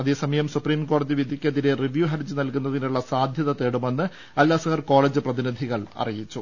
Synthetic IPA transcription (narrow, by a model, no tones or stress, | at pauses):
ɐðe̞ːsɐmɐjɐmsupriːmko̞ːɽɐðiʋid̪ʱikʲːɐðiɾe̞riʋjuːɦɐɾd͡ʑɨnɐlkunːɐðinuɭːɐsaːd̪ʱjɐðɐt̪eːɽumenːɨ | ɐlːaːsɐɣɐrko̞ːɭeːd͡ʑɨprɐðinid̪ʱiɣɐɭɐ̰rijit͡ɕːu